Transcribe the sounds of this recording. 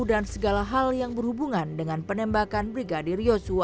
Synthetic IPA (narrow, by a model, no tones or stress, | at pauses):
udansəɡalaɦaljaŋbərhubuŋandəŋanpənɛmbakanbɾiɡadirjosua